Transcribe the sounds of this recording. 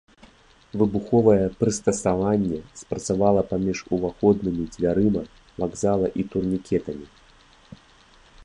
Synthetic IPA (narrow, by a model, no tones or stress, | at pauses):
vɨbuxɔvɐjɛpɾɨst̪ɐsavanʲːɛspɾɐt̪savalˠɐpamʲiʂuvaxɔd̪nɨmʲid͡zʲvʲaɾɨmɐ | vaɡzalˠɐʔit̪urnʲikʲɛt̪ɐmʲi